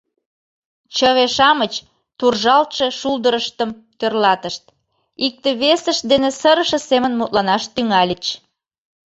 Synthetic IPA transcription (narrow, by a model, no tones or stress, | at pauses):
t͡ɕəɣeʃɑmət͡ɕ | t̪urʒɑlt̪ʃeʃuld̪əɾəʃt̪əm | t̪ørlɑt̪əʃt̪̚ | ik̚t̪eβesəʃ̚d̪enesəɾəʃə̆semənmut̪lɑnɑʃt̪yŋɑlʲit͡ɕ